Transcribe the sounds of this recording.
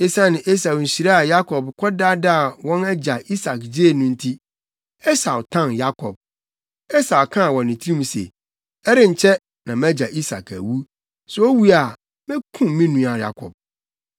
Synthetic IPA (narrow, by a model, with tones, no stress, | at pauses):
e˦sa˦nɪ̃˨ʔe˦s̬a˨ɕi˨ɾa˦a˨ja˦kʰɔ˨bkʷʰɔ˦da˦da˦a˨wɔ̃˦nɛ˦d͡ʑa˨ʔi˦sa˨kd͡ʑe˦e˨nʊ̃˦n̩˦tʰi˦ | ɛ˦sa˨wʊ˨tʰã˦˨nja˦kʰɔ˨b̚ | ɛ˦sa˨wkʰã˦a˨wɔ̃˨nːɪ̃˨tʰi˦i˦mũ˨sḛ˨ | ɛ˦ɾɪ̃˦ɲ̩˨t͡ɕʰɛ˦ | nã˨mæ˦d͡ʑa˨ʔi˦sa̰˨kʰæ̰˨wu˦ | sɛ˨˦o˦wu˦a˨ | mɪ̃˦kʰũ˦mĩ˦nũ˨a˨ja̰˦kʰɔ̰˨b̚